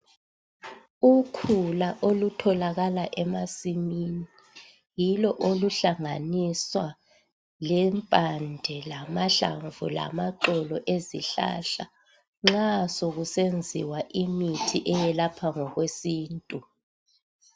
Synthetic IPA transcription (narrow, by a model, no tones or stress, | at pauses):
ukʰulaʔolutʰɔlaɣalaʔɛmasimini | jilɔʔoluɬaŋaniswa | lɛmpʼandʱɛlamaɬa̰ɱvṵla̰maǃɔlɔʔeziɬa̰ɬa | ŋ͡ǁasoɣusend͡zʱḭwaʔimitʰiʔɛjɛlapʰaŋɔɣwesiːntʼu